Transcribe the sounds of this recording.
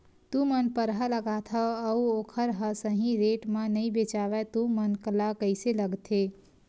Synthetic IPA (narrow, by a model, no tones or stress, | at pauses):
t̪umənpəɾɦələɡat̪ʰəəuokʰəɾɦəsəɦĩɾeʈmenəjbet͡ʃaʋɛt̪umənkəlakəɪseləɡt̪ʰe